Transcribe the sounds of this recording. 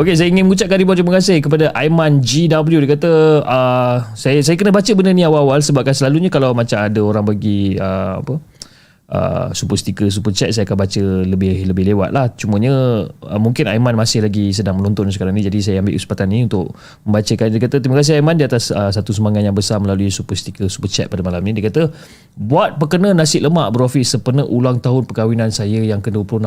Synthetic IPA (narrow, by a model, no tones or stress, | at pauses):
okes̬ajəiŋɪnməŋũt͡ʃaʔ̚kanɾibɔnt̪ɾimakasɪhkəp̬adaʔajmand͡ʒidabəljudajkat̪əəsajasajakənəbat͡ʃəbənəniawaawalsəbap̚kansəlaluɲəkalawmat͡ʃamadaoɾaŋbaɡiəa̰pə | ʔə̰supəst̪ikəs̬upət͡ʃɛt̪̚sajakanbat͡ʃələbɪhləbɪhlewa̰t̪̚laht͡ʃuməɲə̃əmuŋkɪnaimanmasɪhlaɡis̬ədaŋmənɔnt̪ɔnsəkaɾaŋnĩd͡ʒadis̬ajaambɪʔuspat̪aniunt̪ʊʔ̚ | məmbat͡ʃəkandijkat̪ət̪ɾimakas̬iajmandiat̪asəsat̪usəmaŋat̪jaŋbəsarməlaluisupəst̪ikəsu̥pət͡ʃɛ̰t̪̚padəmalamnĩdaəkat̪ə | buat̪̚pəkənənasɪʔləmaʔbəɾofisəpənəʔulaŋt̪aɦʊnpəkawinansajəjaŋkəduwəplʊhn